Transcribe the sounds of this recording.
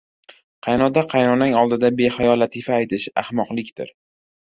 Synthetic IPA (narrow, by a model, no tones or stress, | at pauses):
qʰɑjnɒd̪aqʰɑjnɒnɪŋɒlˠd̪ɪd̪abe̞χajɒlat̪ʰifaːjt̪ʰɪʃa̰hmɒqlɪkʲt̪ɪ̰ɾ